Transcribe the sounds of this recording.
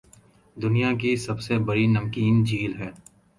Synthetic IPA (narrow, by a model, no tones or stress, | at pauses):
d̪ʊnijak̬isɐbsebɐɽinɐmkiːnd͡ʒiːlɦɛː